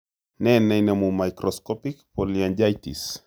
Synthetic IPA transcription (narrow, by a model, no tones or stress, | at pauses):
nɛnɛnamumajkɾɔskɔpikpɔliand͡ʒajtḭs